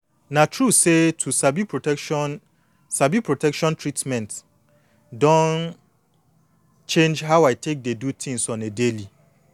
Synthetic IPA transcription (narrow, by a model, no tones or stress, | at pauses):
nãtʰɹusetʰusabipʰotn | sabipʰɹotʰɛkʃɔ̃ntʰɹitmɛ̃nt | dɔ̃n | t͡ʃʰẽnd͡ʒɦawaɪtʰek̚dedutʰĩŋsɔ̃nedeli